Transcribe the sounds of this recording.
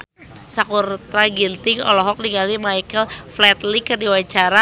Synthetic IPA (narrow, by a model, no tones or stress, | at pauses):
sakurt̪ɾaɡilt̪ɪŋɔ̰lɔɦɔk̚diŋɡalimajkəlflɛt̪likərdiwat͡ʃaɾa